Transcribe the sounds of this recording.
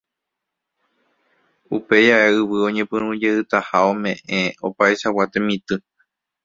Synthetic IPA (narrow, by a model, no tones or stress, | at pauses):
upe̞jaeɨwɨõ̞ɲẽ̞pɨ̃ɾ̃ũd͡ʒeɨt̪ahaõ̞mẽ̞ʔẽo̰paeʃawat̪emĩt̪ɨ